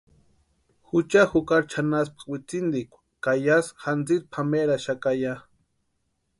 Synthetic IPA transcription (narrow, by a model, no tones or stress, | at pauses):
xut͡ʃaxukaɾt͡ʃʰanaspḁwit͡sind̪ikʷ | kajasxant͡sit̪̚pʰameɾaʃakaja